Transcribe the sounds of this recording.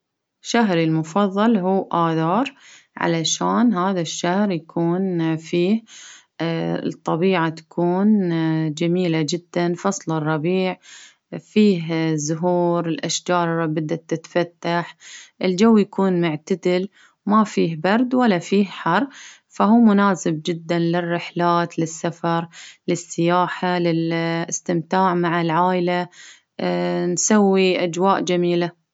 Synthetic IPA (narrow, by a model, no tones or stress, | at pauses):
ʃːaɦɾilmʊfɑðˤːɑlɦuːʔaːðɑːɾˤ | ʕa̰laʃaːnɦaːðaʃːahɾjakʰuːnfiːh | t̪ˤːɑbiːʕat̪ḁkʰuːnd͡ʒamiːlad͡ʒɪd̪ːanfɑsˤlɪrˤːɑbiːʕ | fiːɦzʊɦuːɾɪlʔaʃd͡ʒɑːɾˤrˤɑbɪd̪ːat̪ːɪt̪fat̪ːaħʔɪld͡ʒawːjakʰuːnmʊʕt̪ad̪ɪl | mafiːɦbɑɾˤd̪walːafiːhħɑrˤ | faɦuːmʊnaːsɪb̚d͡ʒɪd̪ːanlɪrːɪħlaːt̪lɪsːafɑɾˤlɪsːɪjaːħalɪlɪst̪ɪmt̪aːʕmaʕɪlʕaːʔɪla | nsawːiʔad͡ʒwaːʔd͡ʒamiːla